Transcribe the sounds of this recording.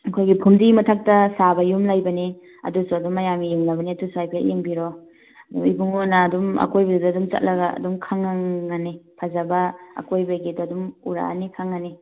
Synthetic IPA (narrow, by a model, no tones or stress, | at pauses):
ɐkʰojɡipʰumdimɐtʰak̚tɐsabɐjumlajbɐni | ɐ̰dusuɐdumːɐjamijeŋnɐbɐniɐdusuajpʰejeŋbiɾɔ | ɐdumḭbuŋonɐːdumɐ̰kojbɐduduːdumt͡ʃɐ̰t̚lɐɡɐɐ̰dumkʰaŋaŋːanipʰazabɐɐ̰kojbɐɡidɔːdumuɾa̰a̰nikʰaŋːani